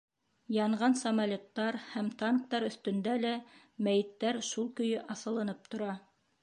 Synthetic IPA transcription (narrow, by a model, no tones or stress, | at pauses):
jɑɴʁɑnsɐmalʲot̪ːɑɾhæmt̪ɑŋk̚t̪ɑɾɵ̆θt̪ɵ̆nd̪ælæ | mæjɘ̆t̪ːæɾʃulˠkɵ̆jɵʔɑsɤ̆lˠɤ̆nɤp̚t̪ŏɾɑ